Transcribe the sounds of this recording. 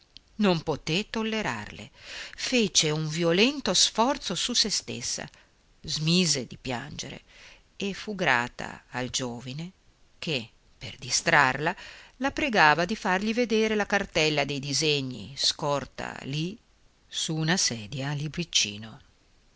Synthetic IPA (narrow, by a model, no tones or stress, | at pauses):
nompot̪et̪olːeɾa̰rlḛfeːt͡ʃeuɱviolɛnt̪osfɔrt̪sosusest̪ḛsːa̰ | zmiːzed̪ipja̰nd͡ʒḛɾḛ | efuɡɾa̰ːt̪a̰ːld͡ʒoːvine | kʰe | perd̪ist̪ɾarlalapɾeɡaːvad̪ifarʎived̪eːɾelakart̪ɛlːad̪ejd̪izeɲːḭskɔrt̪a̰li | suːnasɛːd̪jalibɾit͡ʃːḭːno